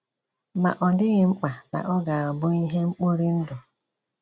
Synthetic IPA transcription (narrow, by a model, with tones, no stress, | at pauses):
ma̰˨ʔɔ˨dɪ˦ɣɪ˦ŋ͡m̩˦k͡pa˨na̰˨ʔɔ˦ɡa˨a˨bʊ˦i˦ɦe˦ŋ͡m̩˦k͡po˦ɾi˦n̩˦dʊ˨